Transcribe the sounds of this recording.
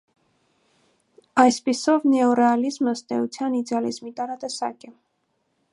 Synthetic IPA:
ɑjspisɔvnɛɔɾɛɑlizməəst̪ɛut͡sʰjɑnid̪ɛɑlizmit̪ɑɾɑt̪ɛsɑ̰kɛ

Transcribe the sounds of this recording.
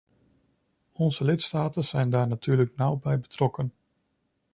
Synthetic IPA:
ɔnzəlɪtstaːtənz̥ɛjndaːɹnatʰyːɹləknawbɛjbətrɔkən

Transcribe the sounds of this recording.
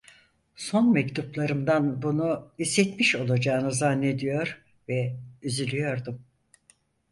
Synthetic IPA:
so̞nmɛct̪ʰuplˠaɾɯmd̪anbunuisːɛt̪miʃo̞lˠad͡ʒaːɯnɯzanːed̪ijo̞ɾ | vɛyzylʲyjo̞ɾd̪um

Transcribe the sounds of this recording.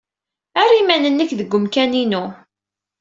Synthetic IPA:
arːimænənːəkːðəɡʷːʊmkæninu

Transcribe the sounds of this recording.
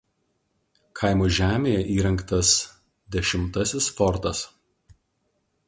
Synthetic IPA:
kʰɐɪmoːʒʲæːmʲeːjɛʔiːɾɐŋkt̪ɐs | d̪ʲɛʃʲɪmt̪ɐsʲɪsfɔɾt̪ɐs

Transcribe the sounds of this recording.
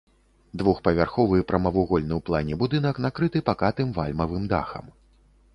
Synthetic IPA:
d̪vuxpɐvʲarxɔvɨpɾɐmɐvuɣɔlʲnɨwplˠanʲɛbud̪ɨnɐknakɾɨt̪ɨpakat̪ɨmvalʲmɐvɨmd̪a̰xɐ̰m

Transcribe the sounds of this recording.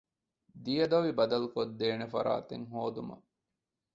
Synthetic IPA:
d̪ijɐd̪ɐʋibɐd̪ɐlukod̪ːeːnefɐ̰ɾa̰ːt̪ḛŋɦoːd̪umɐ̰

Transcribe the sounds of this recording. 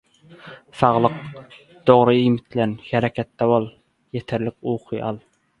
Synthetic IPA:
sɑʁlˠəq̚ | d̪̥oʁɾɨimɪt̪ʰlænhɛɾɛkʲʰɛt̪ːɛwolˠ | jɛt̪ʰɪɾlɪkuːqʰɨjʔɑlˠ

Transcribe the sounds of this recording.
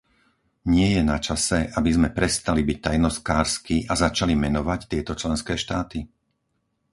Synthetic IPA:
ɲɪɛjɛnat͡ʃasɛʔabizmɛpɾɛst̪alibic̚t̪ajnɔskaːɾskiʔazat͡ʃalimɛnɔʋact̪ɪɛt̪ɔt͡ʃlɛnskɛːʃt̪aːt̪i

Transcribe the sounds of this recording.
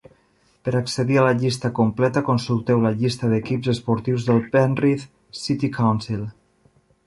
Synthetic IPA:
pəɾaksəðialəʎist̪əkumplɛt̪əkonsulˠt̪ɛwləʎist̪əðəkipzəspuɾt̪iwzðəlˠpɛnriθ | sit̪ikawnsilˠ

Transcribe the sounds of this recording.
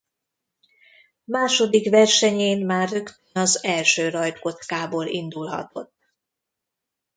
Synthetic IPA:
maːʃo̞d̪ikvɛrʃɛɲeːnmaːrːø̞kt̪ønɒzɛlʃøːrɒjt̪ko̞t̪kaːboːlind̪ulɦɒ̰t̪o̞̰t̪ː

